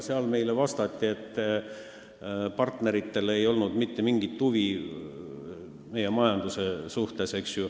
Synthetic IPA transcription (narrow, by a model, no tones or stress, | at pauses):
seɑlme̞jlevɑst̪ɑt̪ʲːie̞t̪ː | pɑrt̪ne̞ɾit̪ːe̞le̞jo̞lnud̪mit̪ːe̞miŋɡ̥it̪t̪ːuvi | me̞je̞mɑjɑnd̪̥use̞suht̪e̞se̞ksju